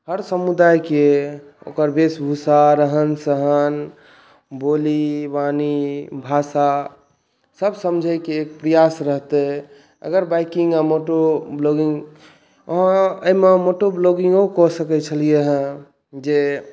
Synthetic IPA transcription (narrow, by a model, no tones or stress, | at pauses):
ɦəɾsəmud̪ajke | o̰kəɾbesbʱusaɾəɦənsəɦən | bolibanibʱasa | səbsəmd͡ʒʱəjkeːk̚pɾəjasɾəɦt̪ɛ | ə̰ɡəɾbajkĩŋɡamoʈobloɡĩŋɡ | əɦãəmemoʈobloɡĩŋɡokɔsəkɛt͡ʃʰəlijeɦə̃ | d͡ʒe